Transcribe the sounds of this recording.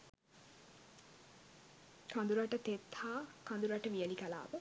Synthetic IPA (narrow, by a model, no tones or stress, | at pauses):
kʰand̪uɾaʈət̪et̪haːkand̪uɾaʈəʋijəlikala̰ːʋə